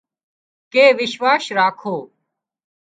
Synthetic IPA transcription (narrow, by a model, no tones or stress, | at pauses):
keːʋɪʃʋaːsɾaːkʰoː